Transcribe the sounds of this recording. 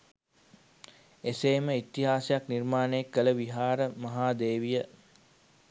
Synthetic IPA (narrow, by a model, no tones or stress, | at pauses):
eseːməit̪ːiɦaːsejaknirmaːnəekːələʋiɦaːɾəmɐɦaːd̪eːʋijə